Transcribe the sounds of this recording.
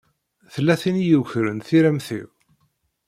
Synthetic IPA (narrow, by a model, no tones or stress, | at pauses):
θəlːæθinjuçɾənθiɾæmθḭw